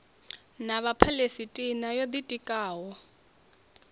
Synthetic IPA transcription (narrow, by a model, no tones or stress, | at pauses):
naβapʰalesitʼinajod̪itʼikʼaːwɔ